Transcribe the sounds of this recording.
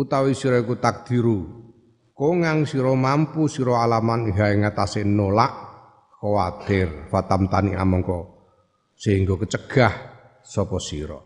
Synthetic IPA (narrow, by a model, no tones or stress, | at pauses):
ut̪awisiɾɔikut̪ak̚d̪̥i̤ɾu | koŋaŋsiɾɔmampusiɾɔalamanɦaeŋat̪asɪnolaʔ | kowat̪ɪrfat̪amt̪ania̰mɔŋkɔ | seŋɡokət͡ʃəɡ̥ah | sɔpɔsḭɾɔ̰